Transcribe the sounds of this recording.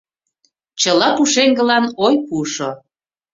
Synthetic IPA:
t͡ɕəlɑpuʃeŋɡə̆lɑnojpuʃo

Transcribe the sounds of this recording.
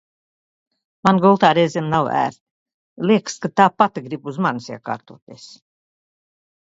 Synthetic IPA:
manɡɔlˠt̪aːɾɛjzʲemnawæ̰ːɾ | lʲiɛkskat̪aːpat̪iɡɾibuzmansiɛka̰ːɾt̪oːt̪iɛs

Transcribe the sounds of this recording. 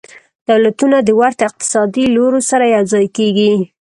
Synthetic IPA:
d̪̥awlat̪unad̪əwaɾt̪ɪq̚t̪ɪ̥sɑd̪iloɾosaɾajazɑjkeɡi

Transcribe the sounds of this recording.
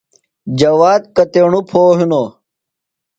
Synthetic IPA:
d͡ʑɐwaːd̪̚kɐt̪eɳupʰoːɦino

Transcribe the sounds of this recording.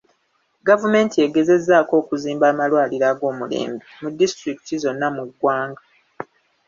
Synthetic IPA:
ɡavume̞ːntie̞ɡe̞ze̞zːaːko̞ːkuziːmbaːmalwaːliɾaɡo̞ːmule̞̰ːmbimudːistɾiki̥tizo̞nːamuɡwaːŋɡa

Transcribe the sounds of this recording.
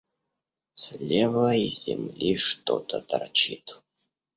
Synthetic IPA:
sʲlʲevəizʲɪmlʲiʂt̪o̰t̪ət̪ɐrt͡ɕit̪

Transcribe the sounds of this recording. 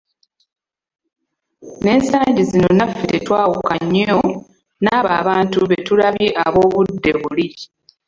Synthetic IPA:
ne̞ːnsaːɲɟizino̞nafitetwaːwukaɲːo̞ | naːβa̰ːβaːntuβe̞tulaβjiʔaβo̞ːβudːe̞βuli

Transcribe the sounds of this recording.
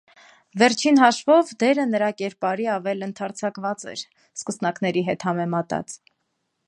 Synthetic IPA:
vɛɾt͡ʃʰinɦɑʃvɔvd̪ɛɾənəɾɑkɛɾpɑɾiɑvɛlənt̪ʰɑɾt͡sʰɑkvɑt͡sɛ̰ɾ | skəsnɑkn̪ɛɾiɦɛt̪hɑmɛmɑt̪ɑ̰t͡s

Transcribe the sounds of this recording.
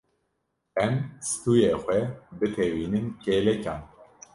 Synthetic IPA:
ɛmst̪uːjeːxʷɛbɨt̪ʰeːwiːnɨmkeːlɛcɑːn

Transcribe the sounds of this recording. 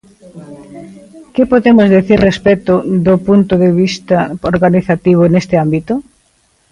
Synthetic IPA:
kɪpoðemʊzðeθiɾrespɛt̪ʊðʊpunt̪ʊðeβ̞ist̪aoɾɣaniθat̪iβ̞ʊnest̪ɪambit̪ʊ

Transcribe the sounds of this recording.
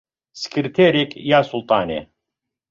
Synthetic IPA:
sɨ̥kɾɨt̪ʰeɾekjaːsulˠt̪ʼɑːnḛ

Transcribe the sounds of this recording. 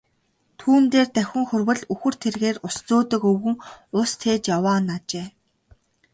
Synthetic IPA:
t̪ʰuːnt̪eːrt̪æxʲɪ̆ŋxɵrwɘ̆ɮuxɵ̆r̥t̪ʰerɣeːrʊst͡soːt̪ə̆kɵwɣɘ̆ŋʊst̪ʰeːt͡ɕjawaːnat͡ɕeː

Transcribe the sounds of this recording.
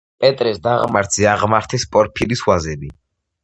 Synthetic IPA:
pʼɛt̪ʼɾɛsd̪aʁma̰ɾt̪z̥iaʁmaɾt̪ʰɛspʼɔɾpʰiliswazɛbi

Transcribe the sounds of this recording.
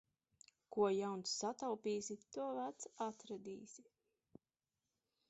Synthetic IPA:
kuɔjawnsːat̪awpiːsit̪uɔvæt̪sat̪ɾad̪ḭːsi

